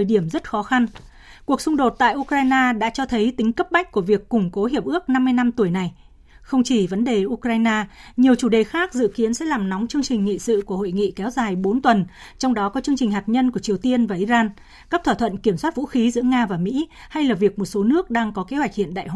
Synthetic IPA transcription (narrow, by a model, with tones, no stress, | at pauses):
jɗi˧˩əmzə˦˥t̚xɔ˨˦xa˧n | ku˨˩ək̚sʊ˧ŋ͡mɗo˨˩t̚t̪a̰ː˧˨jʔu˧kɾaː˧jnaː˧ɗa̰ː˧˥t͡ɕɔ˧t̪ʰə˨˦jt̪ï˨˦ŋ̟kə˦˥p̚ma˦˥j̟̚ku˧˩əvi˨˩əkːʊ˨˩ŋ͡mko˨˦ɦi˨˩əp̚ʔɨ˦˥ək̚na˧mːɨ˧jna˧mt̪u˧˩əjna˨˩j | xə˧wŋ͡mt͡ɕi˧˩və˨˦nɗe˨˩ʔu˧kɾaː˧jnaː˧ɲi˨˩əwt͡ɕu˧˩ɗe˨˩xaː˦˥k̚zɨ̰˧˨ki˨˦ənsɛ̰˧˥laː˨˩mnɔ˨˦wŋ͡mt͡ɕɨ˧əŋt͡ɕï˨˩ŋ̟ŋḭ˧˨sɨ̰˧˨ku˧˩əho̰˧˨jŋḭ˧˨kɛ˨˦wzaː˨˩jɓo˨˦nt̪wə˨˩nt͡ɕɔ˧wŋ͡mɗɔ˨˦kɔ˨˦t͡ɕɨ˧əŋt͡ɕï˨˩ŋ̟ɦaː˨˩t̚ɲə˧nku˧˩ət͡ɕi˨˩əwt̪i˧ənvaː˨˩ʔi˧zaː˧n | kaː˦˥k̚t̪ʰwaː˧˩t̪ʰwə̰˧˨nki˧˩əmswaː˦˥t̚vṵ˧˥xi˨˦zɨ̰˧˥əŋaː˧vaː˨˩mḭ˧˥ | ha˧jlaː˨˩vi˨˩ək̚mo˨˩t̚so˨˦nɨ˦˥ək̚ɗaː˧ŋkɔ˨˦ke˨˦hwa˨˩jk̚hḭ˧˨ənɗa̰ː˧˨jhw